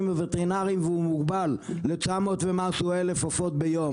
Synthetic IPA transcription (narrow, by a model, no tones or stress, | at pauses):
mvevet̪eʁinaʁimveumuɡbalːet͡samo̞t̪vemasuelefofo̞t̪̚bejo̞